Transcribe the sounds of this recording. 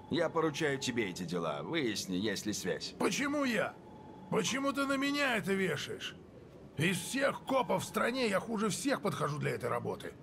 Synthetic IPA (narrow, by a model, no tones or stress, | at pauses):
japəɾʊt͡ɕæjʊtʲɪbʲeɛtʲɪdʲɪlˠa̰vɨjɪsʲnʲɪjesʲlʲɪsvʲæ̰sʲpət͡ɕɪmuja | pət͡ɕɪmut̪̬ɨnəmʲɪnʲaɛt̪əvʲe̞ʂəɨjɪʂ | ɪsfsʲexkopəfst̪ɾɐnʲe̞jaxuʐɨfsʲe̞xpət̪xɐʐud̪lʲɐɛt̪əjɾɐ̰bo̞̰t̪ɨ̰